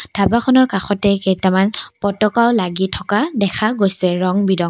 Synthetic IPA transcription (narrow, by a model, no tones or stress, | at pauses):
d̥ʱabaxʰɔnɔɹkaxɔtɛkejtɛmanpɔtɔkaʊlaɡitʰɔkadɛkʰaɡojsɛɹɔŋbidɔŋ